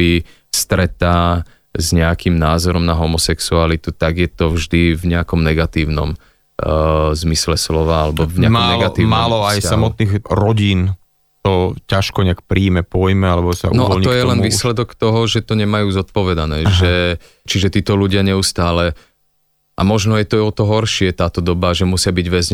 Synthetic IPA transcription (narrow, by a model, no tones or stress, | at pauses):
i | st̪ɾɛt̪aː | zɲɛakimnaːzɔɾɔmnaɦɔmɔsɛksualit̪ut̪aɡjɛt̪ɔvʒd̪ivɲɛakɔmnɛɡat̪iːʊnɔ̰m | zmislɛslɔʋaalɛbɔvɲɛamɔmnɛlɡat̪iːmaːlɔajsamɔt̪̚niɣɾɔɟiːn | t̪ɔcaʃkɔɲɛakpɾiːmɛpɔjmɛalɛbɔsa̰ʔunɔʔɔalɲiɔjɛlɛnʋiːslɛd̪ɔkt̪ɔɦɔʒɛt̪ɔɲɛmajuːzɔt̪̚pɔʋɛd̪anɛːʒɛ | t͡ʃiʒɛt̪iːt̪ɔluɟɪaɲɛust̪aːlɛ | ʔamɔʒnɔjɛt̪ɔɔt̪ɔɦɔɾʃɪɛt̪aːt̪ɔd̪ɔbaʒɛmusɪabiɟʋɛzɲ